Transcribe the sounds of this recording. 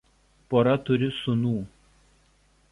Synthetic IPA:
poːɾɐt̪ʊɾʲɪsʊnuː

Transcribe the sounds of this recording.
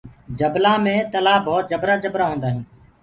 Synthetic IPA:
d͡ʒəblaːmẽːt̪əlaːbɔːt̪̚d͡ʒəbɾaːd͡ʒəbɾaːɦõːnd̪aːɦĩː

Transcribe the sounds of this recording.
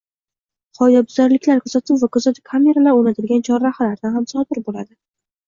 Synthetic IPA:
qʰɒjd̪abʊzaɾlɪkʲlaɾkʰɵzat̪ʰɪvakʰɵzat̪ʰɪpkʰame̞ɾalaɾonat̪ʰɪlɡʲant͡ʃʰɒɾahalaɾd̪anhamsɒb̪ɪɾbola̰d̪ɪ

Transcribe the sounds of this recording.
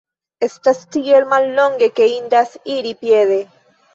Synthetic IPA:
est̪ast̪iɣelmalloŋɡekeind̪asiɾipjeðe

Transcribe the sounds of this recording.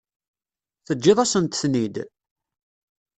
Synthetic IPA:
θəd͡ʒːɪðˤasənt̪θnid̪

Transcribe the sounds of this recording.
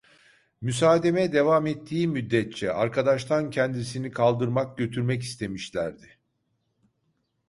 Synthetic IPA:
mysaːd̪e̞mɛd̪e̞vamet̪ʰːiːmyd̪ːɛt̪̚t͡ʃʰɛaɾkʰad̪aʃt̪ʰancʰɛnd̪is̬inikʰalˠd̪ɯɾmak̚ɟø̞t̪ʰyɾmɛc̬i̥st̪ʰe̞miʃlʲæɾd̪ɪ

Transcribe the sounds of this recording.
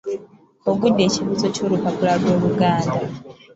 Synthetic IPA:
oɡudːe̞ːciβuzo̞co̞ːlupapulalwo̞ːβuɡaːnda

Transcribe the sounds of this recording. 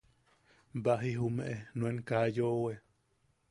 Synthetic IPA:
baɦiɦumẽʔenueŋkajowe

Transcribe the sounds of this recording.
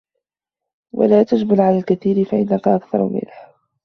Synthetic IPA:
wa̰laːt̪ad͡ʒbalʕalaːlkaθiːɾɪfaʔɪnːakaʔakθɑ̰ɾ̰ˤmɪ̰lħ

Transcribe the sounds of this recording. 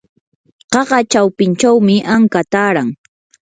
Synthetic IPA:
ɢɑɢɑt͡ʃawpɪnt͡ʃawmɪʔaŋkat̪aːɾaŋ

